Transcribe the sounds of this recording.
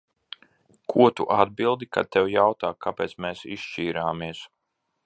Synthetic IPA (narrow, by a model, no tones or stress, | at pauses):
kʰuɔt̪uʔad̪̚bilˠd̪ika̰t̪ːɛwjawt̪aːkʰːapɛːt̪smeːsiʃt͡ʃiːɾaːmiɛs